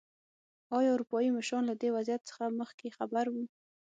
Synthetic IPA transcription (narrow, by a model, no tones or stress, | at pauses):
ɑjɑuɾupɑjimaʃɾɑnlad̪ewazjat̪sə̥xaməxkexabaɾwu